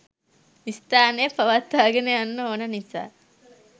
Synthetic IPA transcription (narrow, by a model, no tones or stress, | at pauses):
ist̪aːnepɐʋat̪ːaːɡeneanːɐonɐnisa̰ː